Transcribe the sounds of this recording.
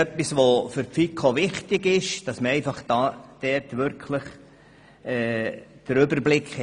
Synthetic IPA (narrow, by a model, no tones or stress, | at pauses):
œpːisʋofʏɾpfikʰoʋɪχtɪɡɪʃd̥ɑsməɾɛɪfɑχd̥ɑːd̥ɛɾtʋʏɾkʰləχ | ɛːd̥əɾʏbəɾblɪkχə